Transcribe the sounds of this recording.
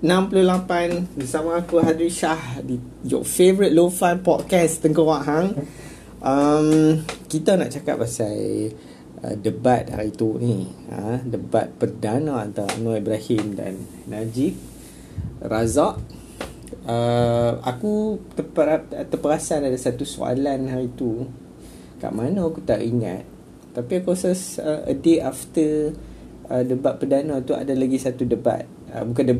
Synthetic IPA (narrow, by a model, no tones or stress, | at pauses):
ənãmpəlulapanbərsamãːkuɦad̪ɾiʃahdi | jɔ̰fevɾit̪̚lofanpɔt̪̚kɛst̪əŋkɔwaʔɦaŋ | ʔəmkit̪ana̰ʔt͡ʃaka̰p̚asaj | ʔə̰dəbat̪̚a̰it̪uniə̰̃dəba̰t̪̚pərdanaant̪awa̰nɔibɾahimda̰nː | ad͡ʒik̚ | razaʔ | əa̰kut̪əpəat̪əpəɾasanadasat̪uso̰a̰lanhaɾit̪u | ka̰ʔmanaakut̪aʔiŋã̰t̪̚ː | apiakɔsɔsəə̰deaft̪ə | ədəbat̪̚pərdanat̪ua̰dalaɡisat̪udəba̰t̪̚ | ə̰bukandəb